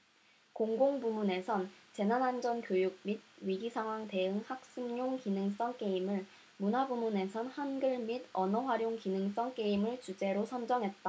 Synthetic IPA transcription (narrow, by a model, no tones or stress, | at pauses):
koŋɡoŋbumune̞sʰʌnt͡ɕe̞nanand͡ʑʌnkjojuɡ̚mid̚ɥiɡisʰaŋɦwaŋte̞ɯŋhak̚s͈ɯŋɲoŋkinɯŋs͈ʌŋk͈e̞imɯɭ | munabumune̞sʰʌnhanɡɯɭmidʌnʌɸwaɾjoŋkinɯŋs͈ʌŋk͈e̞imɯɭt͡ɕud͡ʑe̞ɾosʰʌnd͡ʑʌŋɦe̞t̚t͈a